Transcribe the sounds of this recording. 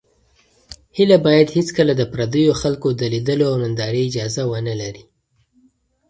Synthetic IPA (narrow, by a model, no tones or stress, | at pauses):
hɪlabɑjad̪hɪt͡skəlad̪əpɾad̪əjoxalkod̪əlid̪əloawnand̪ɑɾeɪd͡ʒɑzawənəlaɾi